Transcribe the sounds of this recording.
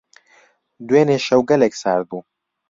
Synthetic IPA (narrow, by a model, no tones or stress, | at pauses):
d̪weːneʃɐwɡɐleksaːɾbuː